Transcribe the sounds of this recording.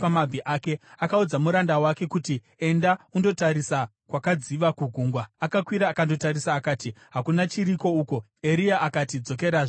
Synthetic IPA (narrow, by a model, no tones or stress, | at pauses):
pamabʱiʔaːke̞akaud͡zamuɾandawake̞kuti | e̞ndaundo̞taɾisa | kwakad͡ziʋakuɡʱuːŋɡwaakakwiɾaːkando̞taɾisaːkaːtiɦakunat͡ʃiɾiko̞uːko̞ | eɾiaʔakatid͡zo̞k̬e̞ɾaːʐo